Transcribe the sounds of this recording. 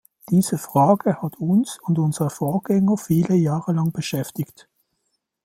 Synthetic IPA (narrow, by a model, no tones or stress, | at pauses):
d̥iːz̥əfʁ̥aːɡ̥əhatʰʊnsʊndʊnzəʁəfoːɐɡ̥ɛŋəfiːləjaːʁəlɑŋb̥əʃɛftɪkt